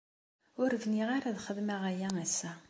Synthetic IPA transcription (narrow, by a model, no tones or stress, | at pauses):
ʊɾvniʁaɾaðχəðmæʁæjææsːæ